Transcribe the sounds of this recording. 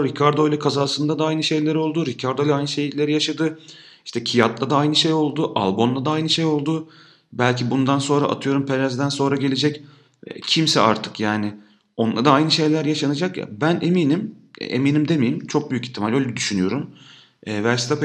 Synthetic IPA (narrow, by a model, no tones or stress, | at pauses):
ɾicʰaɾd̪o̞jlʲɛkʰazaːsɯnd̪ad̪aajnɯʃe̞jlʲeɾo̞lˠd̪uɾicʰaɾd̪ojlʲˠɛajnɯʃe̞jilʲeɾijaʃad̪ɯ | iʃt̪ʰɛcʰijat̪lˠad̪aajnɯʃejo̞lˠd̪uʔa̰lˠbo̞nd̪ˠad̪aajnɯʃejo̞lˠd̪u | bælʲcʰibund̪anso̞nɾaʔa̰t̪ʰɯjo̞ɾumpʰeɾɛzd̪ænso̞nɾaɟelʲed͡ʒɛc | cʰimsɛ̰a̰ɾt̪ʰɯ̥kjaːnɪ | o̞nlˠad̪aajnɯʃe̞jlʲæɾjaʃanɯd͡ʒakja̰bænemiːnim̰ḛmiːnimd̪e̞mejimt͡ʃʰo̞k̚byjyci̥t̪ʰːimalʲø̞jlʲɛd̪yʃynyjo̞ɾum | ɛːvæɾsi̥t̪ʰɛp